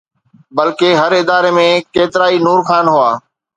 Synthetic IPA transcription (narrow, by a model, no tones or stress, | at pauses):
bɐlkeɦɐɾɪd̪aːɾemẽkeːt̪ɪɾaːinuːɾxaːnɦʊaː